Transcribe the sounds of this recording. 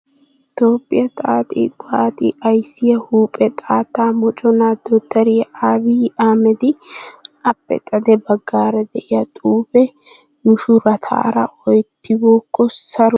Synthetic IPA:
ɪt̪o̞ːpʼːɪjɐt̪ʼaːt̪ʼḭkʼaːt̪ʼɪ̰ʔɐjsɪjɐhuːpʼɛt̪ʼaːt̪ːaːmɔt͡ʃʼɔnaːd̪ɔt̪ːɐɾɪjʔaːbiːaːmɛd̪ɪʔɐpːɛ̰t̪ʼɐd̪ɛbɐɡːaːɾɛd̪ɛʔɪjɐt̪ʼuːpɛ | nʊʃʊɾɐt̪ʰa̰ːɾɐʔɔjt̪ːɪboːkːɔsɐɾ

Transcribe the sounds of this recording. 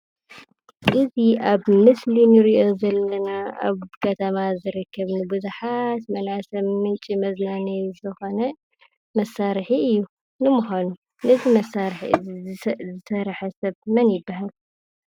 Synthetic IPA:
ʔɨziaβmɨslinɨɾiʔo̞zɐlːɐnaa̰βkʰɐt̪ʰɐmazɨɾɨkʰːɐβnɨbɨzuħat̪mɐnasɐmmɨnt͡ʃʼimɐznanɐjzɨxo̞nɐ | mɐsːaɾħiɨjːu | nɨmuxanu | nɨzimɐsːaɾħi | zɨsɐɾħɐsɐβmɐnjɪbːahal

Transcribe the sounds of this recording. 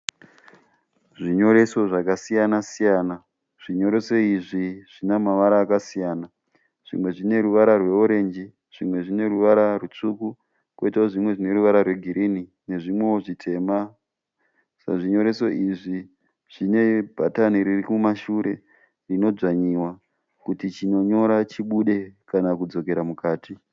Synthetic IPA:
ʐiɲo̞ɾe̞so̞ʐakasijanasijaːna | ʐ̥iɲo̞ɾe̞so̞iʐiʐ̥inamaʋaɾaːkasijaːna | ʐ̥ḭmwe̞ʐine̞ɾuʋaɾarwe̞uɾe̞nd͡ʒi | ʐ̥imwe̞ʐine̞ruʋaɾarut͡ʂuku | koitaoʐimwe̞ʐine̞ɾuʋaɾarwe̞ɡʱiɾini | ne̞ʐimwe̞woʐitʰe̞ːma | saʐiɲo̞ɾe̞so̞ʔiʐi | ʐ̥ine̞bʱataniɾirikumaʃuɾe̞ | rino̞d͡ʐaɲiwa | kutit͡ʃino̞ɲo̞ɾat͡ʃiɓuɗe̞kanakud͡zo̞ke̞ɾamukaːti

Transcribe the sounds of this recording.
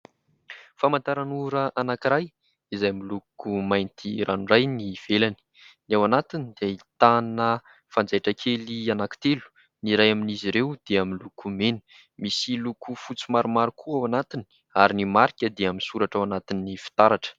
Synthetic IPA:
famant̪aɾanuɾəʔanakiɾaj | izajamilukumajnt̪ʰiɾanurajniv̥elani̥ | niawanat̪inid̪ait̪anə | fand͡zajʈ͡ʂəkʰelianaki̥t̪elu̥ | niɾajaminiziɾewd̪̥eaminlukumenə̥ | misilukʰufut͡simaɾumaɾukʰuawanat̪ini̥ | aɾinimaɾikʲəd̪eaminsuɾaʈ͡ʂawanat̪ininifi̥t̪aɾaʈ͡ʂə̥

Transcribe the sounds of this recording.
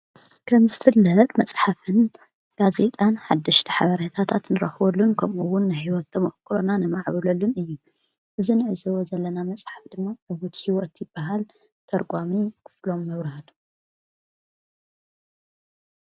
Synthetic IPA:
kʰɐmzɨfɨlːɐt̪ʼmɐt͡sʼħafɨn | ɡ̥aze̞t̪ʼanħad̪ːɨʃt̪ʰiħaβɐɾɐt̪ʰat̪ʰat̪nɨɾɐxβolːunkʰɐmuwʊnːajhiwɔt̪ːɐmɐʔkʰɨɾonanɨmaʕβɨlɐlːunɨjːu | ʔɨzinɨʕɨzɐwozɐlːɐnamɐt͡sʼħafd̪ɨmːaʕɨwɔt̪hiwɔt̪jɪb̥ːaɦal | t̪ʰɐɾɡʼamikʰɨ̥flo̞mːɐβɾɐhat̪ʰu̥

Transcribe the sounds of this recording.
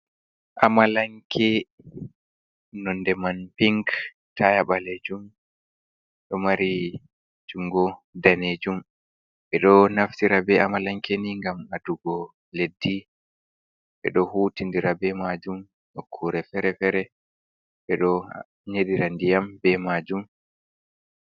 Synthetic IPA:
ʔamalaŋkʰɛ | nɔndɛmanpiŋk | tʰajaɓaled͡ʒum | ɗɔmaɾi | d͡ʒuŋɡɔdaned͡ʒum | ɓɛɗɔnaftiɾabɛamalaŋkʰeniŋɡamaduɡɔ | ledːi | ɓɛ̰ɗɔhutindiɾabɛmad͡ʒum | nokʰːuɾɛfɛɾɛfɛɾɛ | ɓɛɗɔ | ɲediɾandijambɛmad͡ʒum

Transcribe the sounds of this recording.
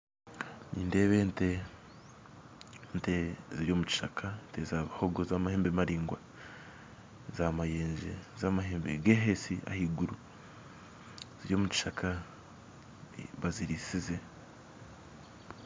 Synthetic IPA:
niːnde̞ːβente | nteziɾjo̞muci̥ʃakʰantezaβahoɡozaːmaheːmbemaɾiːŋɡwa | zamajeːɲʒḛzaːmaɦeːmbḛɡeɦesia̰hiɡuɾu | z̥iɾjo̞ːmuci̥ʃaka | βaziɾisize

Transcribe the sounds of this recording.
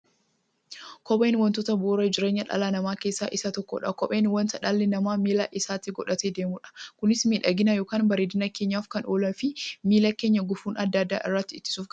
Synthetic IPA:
kɔɓeːnwɐnt̪oːt̪ɐboːɾɐd͡ʒɪɾeːɲːɐᶑɐ̰laːnɐmaːkeːsːa̰ːʔɪsɐt̪ɔkːo̰ᶑɐ̰kɔɓeːnwɐnt̪ɐᶑaːlːɛnɐmaːmiːlaːʔɪsaːt̪ɪɡɔᶑɐt̪eːd̪eːmuːᶑɐ̥kʊnɪsmiːᶑɐɡɪnɐjoːkaːnbɐɾeːd̪ɪnɐkeːɲːaːfkɐnʔoːlɐnfɪmiːlɐkeːɲːɐɡʊfuːnɐd̪ːɐd̪ːa̰ːʔɪ̰rːɐt̪ːɪɪt̪ːɪ̥suːfɡ

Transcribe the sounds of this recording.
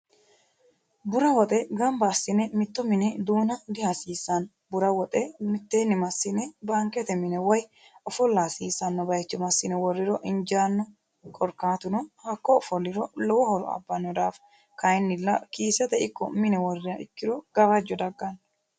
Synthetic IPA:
bʊɾɐwɔt̪ʼɛɡɐmbɐːsːɪnɛmɪt̪ːɔmɪnɛd̪uːnɐd̪ɪhɐsiːsːɐn | bʊɾɐwɔt̪ʼɛmɪt̪ːeːnːɪmɐsːɪnɛbaŋkɛt̪ɛmɪnɛwɐj | ɔfɔlːasiːsɐnːɔbɐjt͡ʃːɛmɐsːɪnɛwɔrːɪɾɔʔɪnd͡ʒaːnːɔ | kʼɔɾkaːt̪ʊnɔhɐkːɔːfɔlːɪɾɔlɔwɔhɔɾɔ̰ɐ̰bːɐnːɔd̪aːf | kɐjnːɪlːɐkiːsɛt̪ɛɪkːɔmɪnɛwɔrɪɐʔɪkːɪɾɔɡ̥ɐβɐd͡ʒːɔd̪ɐɡːɐn

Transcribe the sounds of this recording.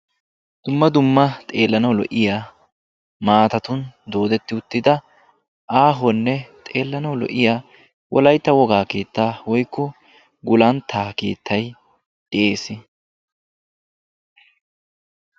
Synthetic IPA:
d̪̥ʊmːɐd̪ʊmːɐt̪ʼe̞ːlːɐnɐwlɔ̰ʔɪjaː | maːt̪ɐt̪ʊnd̪o̞ːd̪ɛt̪ːɪʊt̪ːɪd̪ɐ | ʔaːɦɔnːɛt̪ʼe̞ːlːɐnɐwlɔ̰ʔɪjaː | wʔɔ̰lɐjt̪ːɐwɔɡaːkeːt̪ːaːwɔjkːɔ | ɡʊlɐnt̪ʰaːke̞̰ːt̪ːɐj | d̪̥ɪʔe̞ːsɪ

